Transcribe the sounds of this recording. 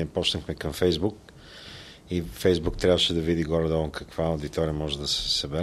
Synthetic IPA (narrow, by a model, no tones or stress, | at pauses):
ɛpɔt͡ʃnəxmɛkɐmfɛjzbuk̚ | ifɛjzbuk̚t̪ɾʲavəʃɛd̪ɐvid̪iɡɔɾɐd̪ɔənkɐkv̥aʊd̪it̪ɔɾiəmɔʒɛd̪ɐsɛ̥sɐbɛɾ